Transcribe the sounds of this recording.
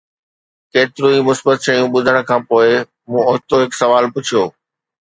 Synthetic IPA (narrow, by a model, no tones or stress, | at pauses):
keːt̪ɪɾũimʊsbət̪ʃɐjũɓʊd̪ʱəɽ̃̆kʰãːpoːɪ | mũːʊɦt̪oɦɪksɐʋaːlpʊt͡ɕʰijoː